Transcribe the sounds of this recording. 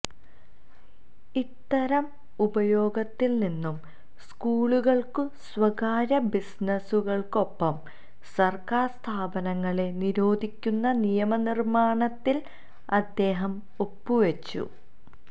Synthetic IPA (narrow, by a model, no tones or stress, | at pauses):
it̪ːɐɾɐm | ubɐjo̞ːɡɐt̪ːilninːum | skuːɭuɣɐɭkɨsʋɐɣaːɾɐbisnɐsuɣɐɭko̞pːɐm | sɐrkaːrst̪ʰaːbɐnɐŋːɐɭe̞niɾo̞ːd̪ʱikʲːunːɐnijɐmɐnirmaːɳɐt̪ːil | ɐd̪ːe̞ːɦɐm | opːuʋet͡ɕːṵ